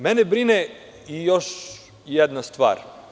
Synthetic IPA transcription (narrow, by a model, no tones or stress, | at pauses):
mɛnebɾine | ijoʃ | jɛd̪nast̪ʋa̰ːɾ